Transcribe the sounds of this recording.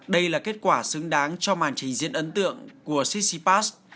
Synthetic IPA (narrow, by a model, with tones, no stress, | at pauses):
ɗə˧jlaː˨˩ke˦˥t̚kwaː˧˩sɨ˨˦ŋɗaː˨˦ŋt͡ɕɔ˧maː˨˩nt͡ɕï˨˩ŋ̟zḭ˧˨ənʔə˨˦nt̪ɨ̰˧˨əŋku˧˩əsi˦˥si˧paː˦˥s̚